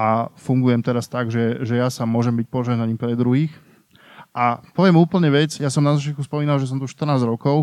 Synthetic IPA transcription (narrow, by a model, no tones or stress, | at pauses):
ʔafuŋɡujɛmt̪ɛɾast̪aɡʒɛʒɛjasamʊɔʒɛmbic̚pɔʒɛɦnaɲiːmpɾɛd̪ɾuɦiːx | ʔapɔʋɪɛmuːpl̩ɲɛʋɛd͡zjasɔmnazat͡ʃɪat̪kuspɔmiːnalʒɛs̬ɔmt̪uʃt̪r̩naːzɾɔkɔʊ